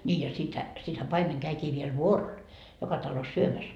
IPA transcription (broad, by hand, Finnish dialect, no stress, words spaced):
nʲiː jɑ sithæ sithæ pɑimeŋ kæikiː ʋiel ʋuorol jokɑ tɑlos syømæs